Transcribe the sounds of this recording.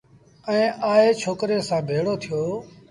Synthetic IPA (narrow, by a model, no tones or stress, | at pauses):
əĩːʔaːeːt͡ʃʰoːkɾeːsãːbʱeːɽoːt̪ʰɪjoː